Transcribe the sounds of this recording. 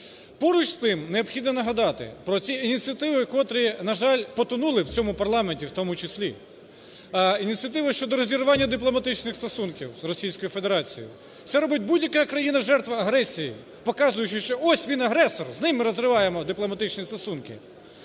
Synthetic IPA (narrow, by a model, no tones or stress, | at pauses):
pɔɾʊt͡ʃst̪ɪmneɔpxʲid̪nɔnɐɦɐd̪ɑt̪ɪ̰pɾɔt͡sʲiinʲit̪t͡sʲiɐt̪ɪʋɪkɔt̪ɾʲinɐʒɑlʲpɔt̪ʊnulˠɪwt͡sʲɔmʊpɐrlˠɑmenʲtʲiwt̪ɔmʊt͡ʃɪsʲlʲi | inʲitʲt͡sʲiɐt̪̬ɪʋɪʃt͡ʃɔd̪ɔɾɔzʲiɾʊʋɑnʲːɐd̪ɪplˠɔmɐt̪ɪt͡ʃnɪxst̪ɔsunkʲiwzrɔsʲijsʲkɔjufe̞d̪eɾɑt͡sʲijʊ̰̥ | t̪ɛɾɔbɪt̚ʲbudʲjɐkaɐkɾɐjinɐʒɛrt̪ʋɐɐɦɾɛsʲiji | pɔkɑzʊjʊt͡ʃɪʃt͡ʃɔɔsʲʋʲinɐɦɾɛsɔrznɪmːɪɾɔzɾɪʋɑjemɔd̪ɪplˠɔmɐt̪ɪt͡ʃnʲist̪ɔsunkɪ̰